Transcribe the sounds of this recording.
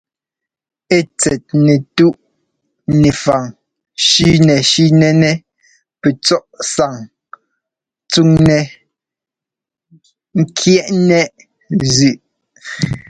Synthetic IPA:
e˦˨t͡sɛ˨t̚nɛ˨tu˦ʔ | nɛ˨fa˨ŋ | ʃi˦nɛ˨ʃi˦nɛ˦nɛ˦ | pɛ˨t͡sɔ˦ʔsa˨ŋ | t͡su˦˨ŋnɛ˨ | ŋ̩˦kʰjɛ˦ʔnɛ˦ʔ | zʉ˨ʔ

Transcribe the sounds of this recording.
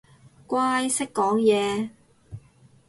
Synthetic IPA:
kʷaː˥jsɪ˥kːɔː˨˥ŋjɛː˨˧

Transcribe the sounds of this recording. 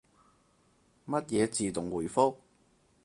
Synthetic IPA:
mɐ˥t̚jɛː˨˧t͡siː˨˧t̪ʊ˨˩ŋwuː˨˩jfʊ˥k̚

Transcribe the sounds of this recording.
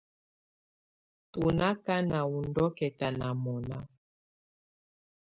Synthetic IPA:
tu˨na˦ka˦na˨u˨ndɔ˦kɛ˨ta˨na˨mɔ˨na˦

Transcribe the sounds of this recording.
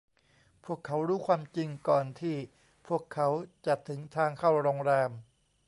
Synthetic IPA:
pʰu˥˩əkʰːa˦˥wɾuː˦˥˩kʰwaː˧mt͡ɕi˧ŋkɔː˨˩nt̪ʰiː˥˩ | pʰu˥˩əkʰːa˦˥wt͡ɕa˨˩t̪ʰːɯ˩˦ŋt̪ʰaː˧ŋkʰa˥˩wɾoː˧ŋɾɛː˧m

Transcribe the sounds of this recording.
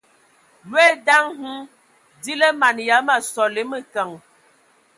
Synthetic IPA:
lwe˦da˦ŋhu˦ | di˦lə˦ma˨nja˨˦ma˨sɔ˨le˦mə˨kə˨ŋ

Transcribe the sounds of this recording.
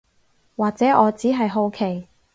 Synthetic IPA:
waː˨k̚t͡sɛː˨˥ʔɔː˨˧t͡siː˨˥ɦɐ˨jɦo˧wkʰe˨˩j

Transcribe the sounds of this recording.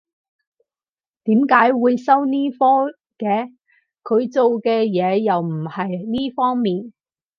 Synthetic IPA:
t̪iː˨˥mkaː˨˥jwuː˨˧jsɐ˥wniː˥fɔː˥ | kɛː˧ | kʰɵ˨˧ɥt͡so˨wkɛː˧jɛː˨˧jɐ˨wm̩˨˩hɐ˨jniː˥fɔː˥ŋmiː˨n

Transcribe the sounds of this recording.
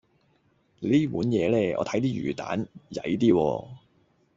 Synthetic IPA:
liː˥puː˨˥njɛː˨˧lɛː˥ɔ̰ː˨˧t̪ʰjt̪iː˥jy̰ː˨˩t̪a̰ː˨˥njɐ̰˨˥jt̪̬iː˥wɔː˧

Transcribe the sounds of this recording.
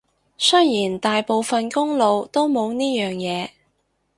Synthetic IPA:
sɵ˥jiː˨˩nt̪aː˨jpo˨wfɐ˨nkʊ˥ŋlo˨˧wt̪o˥wmo˨˧wniː˥jœː˨˩ŋjɛː˨˧

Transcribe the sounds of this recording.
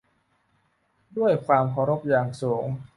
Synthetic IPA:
du˥˩əjkʰwaː˧mkʰa˧˩˦ɾo˦˥p̚jaː˨˩ŋsuː˩˦ŋ

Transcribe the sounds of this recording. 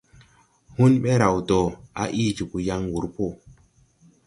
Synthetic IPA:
hu˦nɓe˦ɾa˨wdɔ˨a̰˨˦ʔi˦d͡ʒu˨ku˨ja˦ŋwu˨ɾpo˦˨

